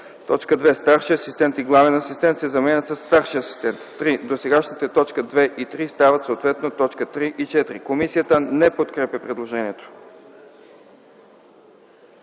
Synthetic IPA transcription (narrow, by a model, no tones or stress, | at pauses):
t̪ɔt͡ʃkəd̪vɛst̪aɾʃiɐsist̪ɛnt̪iɡlˠavɛnɐsist̪ɛnt̪sɛzɐmɛnət̪səsːt̪aɾʃiɐsi̥st̪ɛnt̪ːɾid̪osɛɡaʃnit̪ət̪ɔt͡ʃkəd̪vɛʔit̪ɾist̪avət̪sot̪vɛt̪not̪ɔt͡ʃkət̪ɾiʔit͡ʃɛt̪ɾikomisijət̪ənɛpot̪kɾɛpjəpɾɛd̪lˠoʒɛniɛt̪o̥